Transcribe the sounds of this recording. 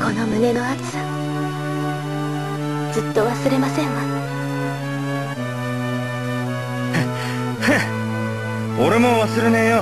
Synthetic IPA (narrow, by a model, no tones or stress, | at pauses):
kʰo̞no̞mɯ̟ne̞no̞aki̥sa | d͡zɨt̪ːo̞βasɨɾe̞masẽ̞ŋa | oɾe̞mo̞βasɨɾe̞nẽjo